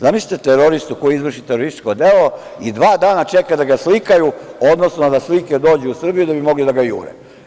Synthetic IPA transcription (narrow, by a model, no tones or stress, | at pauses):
zamisʲi̥t̪et̪eɾoɾist̪ukojiizʋr̩ʃit̪eɾoɾist̪i̥t͡ʃko̞d̪elo̞ | id̪ʋaːd̪aːnat͡ʃekajd̪aɡaslikajuo̞d̪no̞snod̪asliked̪o̞ːd͡ʑɛusr̩bijud̪abimo̞ɡlid̪aɡajṵːɾḛ